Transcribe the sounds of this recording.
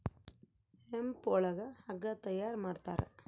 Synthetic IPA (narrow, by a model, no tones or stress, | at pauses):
empɔɭɐɡɐhɐɡɐt̪ɐjːaːɾmaːɖt̪aːɾḛ